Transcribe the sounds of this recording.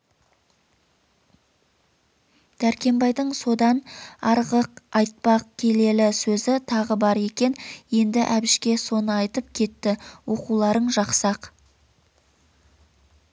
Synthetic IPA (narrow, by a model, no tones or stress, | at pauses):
d̪̥æɾkʲe̞mbɑjd̪əɴso̞d̪ɑnɑɾʁəqɑjt̪̚pɑqkʲʰe̞le̞lɪsɵzɪt̪ʰɑʁəbɑɾe̞kʲe̞nje̞nd̪ɪʔæbɪʃkʲe̞so̞nəɑjt̪əp̚kʲʰe̞t̪ːɪwo̞qulˠɑɾəɴʒɑqsɑq